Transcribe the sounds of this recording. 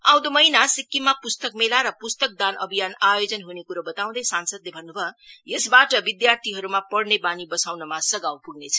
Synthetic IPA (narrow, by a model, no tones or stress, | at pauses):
aw̃d̪omʌinasikːimapust̪ʌk̚melaɾʌpust̪ʌk̚d̪anʌbʱijanajod͡zʌnɦunekuɾʌbʌt̪aw̃d̪ʌsansʌd̪lebʱʌnːubʱʌjesbaʈʌbid̪jart̪ʰiɦʌɾumapʌɽnebanibʌsawnʌmasʌɡawpuɡnet͡sʰʌ̥